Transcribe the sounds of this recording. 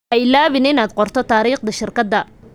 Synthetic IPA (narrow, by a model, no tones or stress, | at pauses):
ʔɛjlaːβɪnɪnaːd̪qɔrt̪ʰɔt̪ʰaːɾiːqd̪ɐʃɪrkʰɐd̪ːɐ